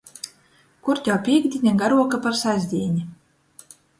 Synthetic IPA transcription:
kuɾt̪ʲawpʲiɛɡd̪ʲinʲaɡaɾuɔkapaɾsazʲd̪ʲiːnʲi

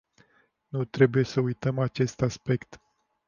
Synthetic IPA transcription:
nut̪ɾe̞buje̞səujt̪əmat͡ʃe̞st̪aspe̞kt̪

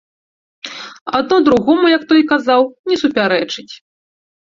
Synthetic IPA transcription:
a̰d̪̚nɔd̪ɾuɣɔmujɐkt̪ɔjkazawnʲɛsupʲaɾɛt͡ʂɨt͡sʲ

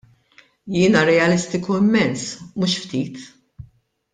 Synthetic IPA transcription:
jɪːnɐɾɛɐlɪst̪ɪkuɪmːɛnsmuʃft̪iːt̪

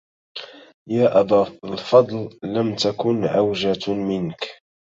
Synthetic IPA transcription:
jaːʔabaːlfɑd̪ˤlːamt̪akʊnʕawʒamɪnk

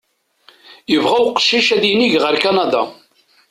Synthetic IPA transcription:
jəvʁæwqə̥ʃːiʃæðjiniʝʁəɾkanɑd̪a̰

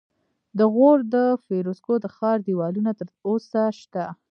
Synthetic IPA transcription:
d̪əɣoɾd̪əfeɾoskod̪əxɑɾd̪iwɑlunat̪əɾosaʃt̪a

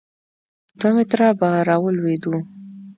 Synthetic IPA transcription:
d̪wamet̪ɾɑbaɾɑwəlwed̪u

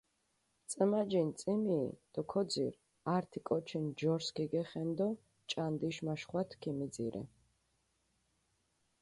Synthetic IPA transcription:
t̪sʼəmad͡ʒint̪sʼimḭːd̪̥ɔkʰɔd̪zḭɾ | aɾt̪ʰikʼɔt͡ʃʰind͡ʒɔɾskiɡɛχɛnd̪ɔ | t͡ʃʼand̪iʃmaʃχwat̪ʰkʰimid̪zḭɾɛ̰

